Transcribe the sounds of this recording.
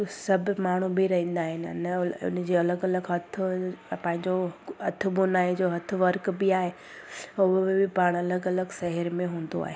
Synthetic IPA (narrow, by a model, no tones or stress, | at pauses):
sɐbʱmaːɳ̤̃ubiɾɐɦĩːn̆d̪aːɦɪnɪ̰̆nʊ̰nd͡ʑiːɐləɡɐləɡɦɐt̪ʰʊ̆pɐ̃ːɦɪ̃ɲd͡ʑoɦɐt̪ʰʊ̆bʊnaːed͡ʑoːɦɐt̪ʰʊ̆ʋɐɾkbɪaːɦe | ʊɦbɪpaːɽ̃ɐləɡɐləɡsɛɦəɾmẽɦũːn̆d̪o̰a̰ːɦeː